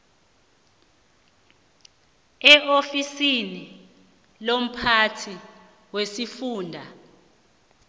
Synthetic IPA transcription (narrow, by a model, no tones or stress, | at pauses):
ɛʔofisini | lom̩pʰatʰi | wesifuːndʱa